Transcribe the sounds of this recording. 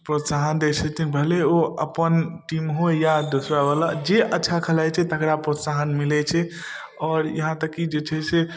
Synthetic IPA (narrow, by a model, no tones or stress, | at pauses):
pɾot̪saɦənd̪et͡ʃʰɛt̪ʰikbʱəleoəpənʈimɦojad̪osɾabalad͡ʒeʔətːʃʰakʰəlajt͡ʃʰɛt̪əkɾapɾot̪saɦənmilɛt͡ʃʰɛ | ɔːɾjəɦãt̪əkːid͡ʒet͡ʃʰɛse